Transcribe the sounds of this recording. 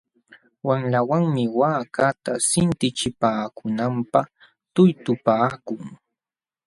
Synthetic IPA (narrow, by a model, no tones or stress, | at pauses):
wamlawaŋmɪwaːkat̪asɪnt̪ɪt͡ʃɪpaːkʊnampɑχ | t̪ʊjt̪ʊpaːkʊŋ